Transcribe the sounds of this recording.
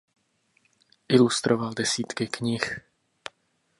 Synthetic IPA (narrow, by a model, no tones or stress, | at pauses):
ʔɪlust̪ɾʔovaldɛsiːt̪kɪkɲɪx